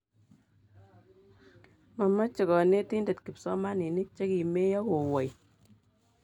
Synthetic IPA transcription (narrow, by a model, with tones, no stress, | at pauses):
ma˨ma˦t͡ʃe˨kɔ˨ne˦ti˦nde˨tki˨psɔ˦ma˦ni˨ni˦t͡ʃe˦ki˨me˦jɔ˦ko˨wɔ˨j